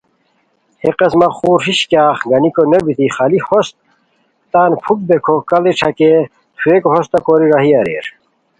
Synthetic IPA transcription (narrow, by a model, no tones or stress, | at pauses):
heqɐsmɐχuːɾɦiɕkjaːχɡɐnikonebit̪iχɐlihost̪̚ | t̪aːnpʰuk̚bekʰokɐliʈ͡ʂʰɐke | t̪ʰuekoɦost̪ɐkoːɾiɾɐɦiɐɾḛɾ